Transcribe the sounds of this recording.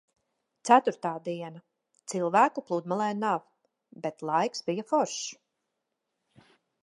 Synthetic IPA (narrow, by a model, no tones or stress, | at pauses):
t̪sæt̪uɾt̪aːd̪iɛna | t̪silˠvæːkuplˠuːd̪malˠɛːnav | bet̪lˠajksbijafɔɾʃ